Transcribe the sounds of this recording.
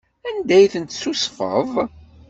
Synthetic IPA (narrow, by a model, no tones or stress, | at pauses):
ænd̪æjθənt̪susfə̰ðˤ